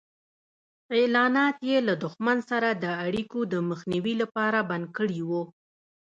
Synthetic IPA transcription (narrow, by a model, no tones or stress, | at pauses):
elɑnɑt̪jelad̪ʊxmansaɾad̪əaɽikod̪əməxniwilapɑɾaband̪̚kəɽiwu